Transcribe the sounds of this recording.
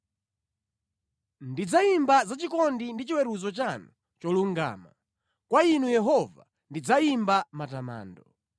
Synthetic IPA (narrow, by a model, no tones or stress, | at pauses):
ndid͡zaimbazat͡ʃikɔndindit͡ʃiwɛɾuzɔt͡ʃanu | t͡ʃɔluŋɡa̰ːma | kwainujɛɦɔva | ndid͡zaimbamatama̰ːndɔ